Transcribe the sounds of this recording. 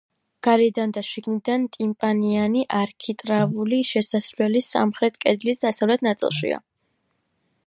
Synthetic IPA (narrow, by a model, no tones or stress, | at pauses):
ɡ̥aɾɛd̪and̪aʃiɡnid̪ant̪ʼimpʼanianiʔaɾkʰit̪ʼɾavuliʃɛsasvlɛlisa̰mχɾɛt̪ʰkʼɛd̪lisd̪asavlɛt̪ʰnat̪sʼḭlˠʃḭa̰